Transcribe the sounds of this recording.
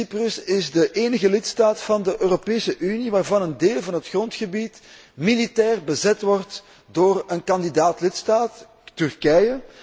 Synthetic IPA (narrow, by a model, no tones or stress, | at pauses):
iprɵsɪzdəʔeːnəɣəlɪtstaːtfɑndəʔøːropeːsəʔyniʋaːrvɑnəndeːlˠvɑnɦətxrɔntxəbit | militɛːrbəzɛtʋɔrt | doːrənkɑndidaːtlɪtstaːt | tʏrkɛjə